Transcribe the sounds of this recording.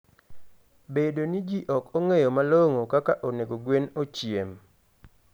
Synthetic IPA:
bedonid͡ʒiʔɔkoŋejomaloŋokakaʔoneɡoɡwenot͡ʃjem

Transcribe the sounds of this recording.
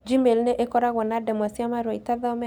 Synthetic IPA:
d͡ʒimelneʔekɔɾaɣɔnadɛmɔsɔmaɾɔitaðamɛ

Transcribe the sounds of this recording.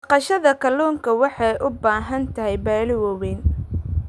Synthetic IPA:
ɑqɑʃɐðɐkʰɐluːŋkʰɐwɑħɑjʔʊbaːɦɐnt̪ʰɐɦɛjbaːlɪwɔwɛːn

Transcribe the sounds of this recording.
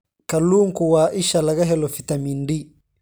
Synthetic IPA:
kɐluːŋkuwaːʔiʃalɐɡɐɦɛlɔfit̪ɐmindi

